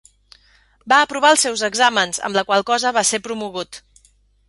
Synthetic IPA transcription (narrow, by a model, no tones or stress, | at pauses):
baəpɾuβ̞aəlˠsɛwzəɡzamənzə̰mləkwalˠkɔzəβasepɾumuɣut̪